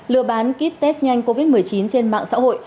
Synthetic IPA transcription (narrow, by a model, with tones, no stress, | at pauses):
lɨ̰˧əɓaː˨˦nki˦˥t̚t̪ɛ˦˥st̚ɲa˧jŋ̟ko˧vi˦˥t̚mɨ˨˩əjt͡ɕi˨˦nt͡ɕe˧nma̰ː˧˨ŋsa̰ː˧˥ɦo̰˧˨j